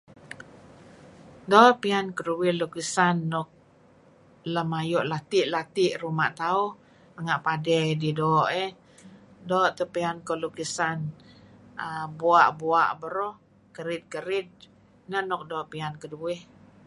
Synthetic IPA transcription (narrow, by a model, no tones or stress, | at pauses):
dɔʔpiankəɾuwɪhlukisanːɔk̚ | ləmajɔʔlat̪iʔlat̪iʔrumaʔt̪aʊh | məŋaʔpadɛdidɔʔɛ | dɔːʔt̪əpiankolukisan | əbuaʔbuaʔbəɾɔh | kəɾɪt̪̚kəɾɪt̪̚ | nənɔk̚dɔʔpiankəduwɪh